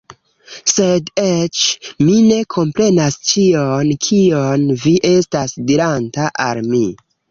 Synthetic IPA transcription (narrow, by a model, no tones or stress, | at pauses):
se̞det͡ʃmine̞kʰo̞mpɾe̞nast͡ʃionkʰionviʔe̞stasdiɾantaʔalmi